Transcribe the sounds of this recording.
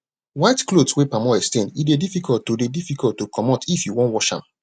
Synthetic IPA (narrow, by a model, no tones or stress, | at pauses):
waɪtklodswepamɔɛstẽndit̚dedifikɔltːodedifikɔltːokʰɔmɔtifjuwɔ̃ntwɔʃã̰m